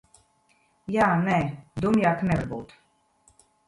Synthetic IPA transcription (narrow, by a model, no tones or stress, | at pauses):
jaːnɛd̪umjaːknɛvaɾbuːt̪